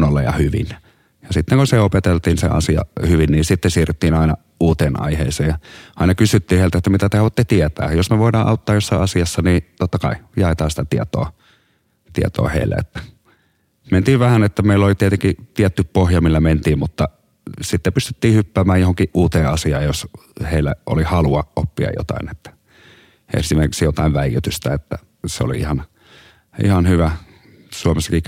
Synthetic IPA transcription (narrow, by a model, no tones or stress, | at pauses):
nolːɑ̰jɑ̰hyʋḭn | jɑsit̪ːeŋkunseopet̪elt̪iːnsḛɑ̰siɑ̰hyʋinniːnsit̪ːesiːret̪ːiːnɑˑinɑ̰ | uːt̪eːnʔɑ̰ihḛːseːjɑɑˑinɑkysyt̪ːiːheilt̪et̪ːæmit̪æt̪ehɑʋot̪ːet̪iet̪æ̰ːjosmeʋoˑidɑːʔɑˑut̪ːɑːjosːɑˑiɑsiɑsːɑniːt̪ot̪ːɑkɑijɑˑet̪ɑːnsi̥t̪æt̪iet̪o̰ː | t̪iḛt̪o̰ːhḛˑilːæ̰ḛt̪ːæ̥ | ment̪iːʋʋæhænet̪ːæmeˑilːolit̪iet̪eŋkit̪iet̪ːyppohjɑmilːæment̪iːmmut̪ːɑ | sit̪ːepyst̪e̥t̪ːiːhypːæːmæːjjohoŋkiʔʔuːt̪eːʔʔɑsiɑːjjosheˑilːæ̰ʔo̰lihɑluɑʔʔopːiɑ̰jo̰t̪ɑ̰ˑenet̪ːæ̥ | ḛsimerkiksijot̪ɑˑiʋʋæijːˑyt̪yst̪æet̪ːæ̰ | seo̰lḭihɑn | ʔḭhɑnhyʋæ | suomesːɑki